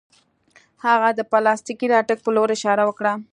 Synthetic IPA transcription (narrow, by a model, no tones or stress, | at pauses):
haɣad̪əpalɑst̪ikiɾɑʈək̚pəloɾɪʃɑɾawəkɽa